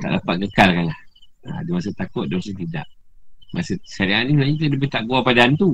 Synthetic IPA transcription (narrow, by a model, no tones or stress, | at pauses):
t̪a̰ʔlapat̪̚kəkalkanlah | a̰dimas̬ət̪akʊt̪̚dimas̬ət̪̬ida̰ʔ | masəsaɾianimənaɲat̪ələbit̪aʔɡuapadant̪u